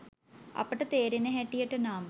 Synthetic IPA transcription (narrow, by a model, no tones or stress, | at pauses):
ɐ̰pːɐʈːɨt̪eːɾineɦeʈːijɐʈːɨnaːm